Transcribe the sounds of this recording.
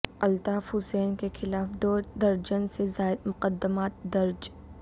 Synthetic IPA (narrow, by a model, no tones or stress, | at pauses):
ɐlt̪aːfhʊsɛːnkexɪlaːfd̪oːd̪ɐɾd͡ʒənsezaːɪd̪mʊqəd̪ːəmaːt̪̚d̪ɐɾd͡ʒ